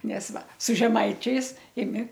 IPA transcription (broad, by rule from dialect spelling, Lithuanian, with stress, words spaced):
ˈnʲɛs ˈʋɐ sʊ ʒʲɛˈmɐɪt͡ʃʲɛɪs ɪˈmʲɪ